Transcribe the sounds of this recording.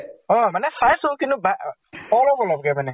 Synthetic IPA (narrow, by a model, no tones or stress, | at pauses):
ɔmɛnɛsaɪsokinũba | ɔlɔbɔlɔbɪkɛmɛnɛ̃